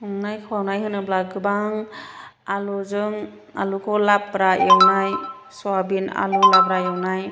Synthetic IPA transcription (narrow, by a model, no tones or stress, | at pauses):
ɯŋnajkʰɯwawnajɦɯnɯblaɡɯbaŋ | aluzɯŋ | alukʰɔlapːɾajawnaj | sɔwabina̰lulabɾajawnaj